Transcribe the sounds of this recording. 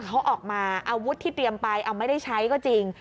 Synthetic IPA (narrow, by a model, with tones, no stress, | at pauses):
kʰa˦˥wʔɔː˨˩k̚maː˧ʔaː˧wu˦˥t̪ʰːiː˥˩t̪ɾi˧əmpa˧jʔa˧wma˥˩jda˥˩jt͡ɕʰa˦˥jkɔː˥˩t͡ɕi˧ŋ